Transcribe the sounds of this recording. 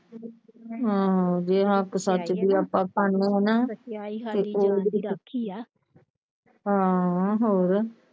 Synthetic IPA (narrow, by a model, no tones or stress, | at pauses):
ɦãːd͡ʒeːɦəksət͡ʃd̪iːaːpːãːpʰaɳːeːɦɛnaːt̪eːoːdi | ɦãːɦoːɾ